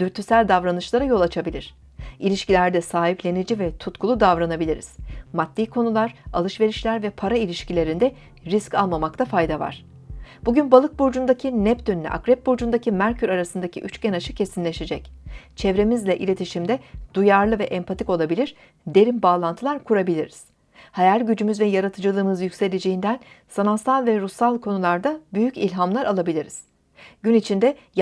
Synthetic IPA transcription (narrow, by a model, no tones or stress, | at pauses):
d̪yɾt̪ʰysælʲd̪avɾanɯʃlˠaɾajo̞lˠat͡ʃʰabilʲiɾ̥ | ilʲiʃcilʲæɾd̪ɛsaːɦiplʲe̞nid͡ʒivɛt̪ʰut̪kʰulˠud̪avɾanabilʲiɾḭz̥mad̪ːiːkʰo̞nulˠaɾ̥alˠɯʃve̞ɾiʃlʲæɾvɛpʰaɾailʲiʃcilʲe̞ɾind̪ɛ | ɾiscalˠmamakt̪ʰafajd̪ava̰ɾ̥ | buɟynbalˠɯk̚buɾd͡ʒund̪acʰinɛpt̪ønynʲy̰ʔa̰kɾɛp̚buɾd͡ʒund̪acʰimæɾcʰyɾaɾasɯnd̪acʰḭʔyt͡ʃcɛnaʃɯ̥cʰe̞sinlʲe̞ʃe̞d͡ʒɛct͡ʃʰɛvɾe̞mizlʲɛʔilʲe̞t̪ʰiʃimd̪ɛd̪̥ujaɾlˠɯvɛʔɛmpʰat̪ʰiko̞lˠabilʲiɾ̥ | d̪e̞ɾimbaːlˠant̪ʰɯlˠaɾkʰuɾabilʲiɾiz̥ | hajælʲɟyd͡ʒymyzvɛjaɾat̪ʰɯd͡ʒɯlˠɯːmɯzjycʲse̞lʲed͡ʒejind̪ænsanasalˠvɛɾusalˠkʰo̞nulˠaɾd̪abyjycilʲɦamlˠaɾʔalˠabilʲiɾiz̥ | ɟ̥ynit͡ʃʰind̪ɛ | j